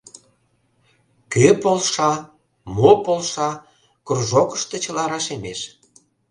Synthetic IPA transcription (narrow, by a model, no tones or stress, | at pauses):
køpolʃɑ | mopolʃɑ | kurʒokə̥ʃt̪e̽t͡ɕəlɑɾɑʃemeʃ